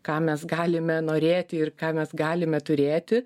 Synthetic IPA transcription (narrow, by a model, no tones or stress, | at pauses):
kɑːmʲɛsɡɑːlʲɪmʲɛnoːɾʲeːt̪ʲɪɪrkɑːmʲɛsɡɑːlʲɪmʲɛt̪ʊɾʲeːt̪ʲɪ